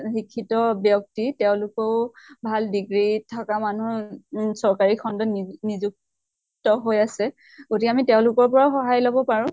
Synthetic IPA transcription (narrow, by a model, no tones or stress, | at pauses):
xikʰːitɔbjɔk̚titɛʊ̃lʊkɔʊbʱaldiɡɹitʰakamanusɔɹkaɹikʰɔndɔnizuk̚ | tɔɦojasɛ | ɡotiamitɛʊ̃lʊkɔɹpɔɹaxɔɦajlobɔpaɹʊ̃